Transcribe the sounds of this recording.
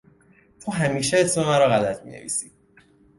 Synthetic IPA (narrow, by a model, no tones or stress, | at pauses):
t̪ʰuːɦæmiːʃeesmemæɾɒːɣælæt̪ʰmḭnḛvḭːsiː